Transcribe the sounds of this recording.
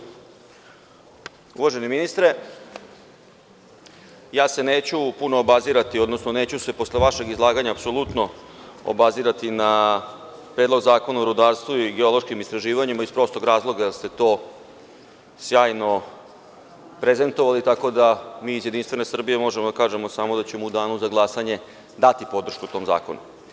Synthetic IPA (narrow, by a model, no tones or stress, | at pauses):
ṵʋaʒe̞niminist̪ɾe̞ | jaːse̞neːt͡ɕupunoːbaziɾat̪io̞d̪nosnone̞ːt͡ɕuse̞po̞sleʋaʃe̞ɡizlˠaːɡaɲaːpsolˠut̪no̞o̰baziɾat̪ina | pɾeːd̪lo̞ɡzaːko̞naoɾud̪aːɾst̪ʋuiɡeo̞lˠo̞ʃkimist̪ɾaʒiːʋaɲimaispɾo̞st̪oɡɾaːzlˠo̞ɡad̪ast̪e̞t̪o̞ː | sjaːjno̞ | pɾeze̞nt̪oʋalit̪ako̞d̪amiːzjed̪inst̪ʋe̞ne̞sr̩bije̞mo̞ʒemod̪akaːʒemosamo̞d̪at͡ɕemoud̪aːnuzaɡlˠasaɲe̞ | d̪at̪ipo̞d̪r̩ʃkut̪o̞mza̰ːko̞̰nṵ